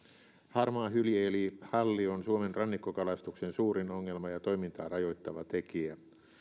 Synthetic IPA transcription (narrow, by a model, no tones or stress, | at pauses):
hɑrmɑːhyljeːlihɑlːionsuomenrɑnːikːokɑlɑst̪uksensuːɾinoŋːe̞lmɑjɑt̪o̞imint̪ɑːrɑjojt̪ːɑʋɑt̪ekiæ